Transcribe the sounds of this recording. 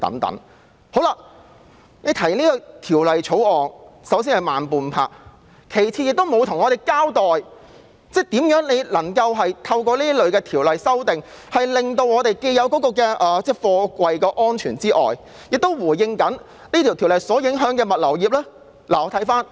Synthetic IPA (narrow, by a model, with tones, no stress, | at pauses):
t̪ɐ̰˨˥ŋt̪ɐ̰˨˥ŋ | ho˨˧˥wlaː˧ | ne˨˧jt̪ʰɐ˨˩jliː˥kɔ˧t̪ʰiː˨˩wlɐ˨jt͡ʃʰo˨˥wɔː˨ŋsɐ˨˥wsiː˥nhɐ˨jmaː˨npuː˨npʰaː˧k̚ | kʰe˨˩jt͡sʰi˧jɪ˨k̚t̪o˥wmo˨˧wt̪ʰʊ˨˩ŋɔ˨˧e˨jkaː˥wt̪ɔː˨j | t͡sɛː˥t̪iː˨˥mjœː˨˥ŋle˨˧jlɐ˨˩ŋkɐ˧wɦɐ˨jt̪ʰɐ˧wkɔː˧liː˥lɵ˨˧ɥkɛː˧t̪ʰiː˨˩wlɐ˨jsɐ˥wt̪ɪ˨ŋ | hɐ˨jlɪ˨ŋt̪o˧wŋɔː˨˧t̪e˨jke˧jɐ˨˧wkɔː˨˥kɔː˧kɛː˧ʔɐː˨t͡sɛː˥˩fɔː˧kʷɐ˨jkɔː˧ʔɔː˥nt͡ʃʰyː˨˩nt͡siː˥ʔɔ̰ː˨j | jɪ˨k̚t̪o˥wwuː˨˩jjɪ˧ŋkɐ˨˥n | niː˥t̪ʰi˨˩t̪ʰiː˨˩wlɐ˨jsɔː˨˥jɪ˨˥ŋɦœː˨˥ŋkɛː˧mɐ˨t̚lɐ˨˩wjiː˨p̚lɛː˥ | laː˨ɔ˨˧t̪ʰɐ˨˥jfaː˥n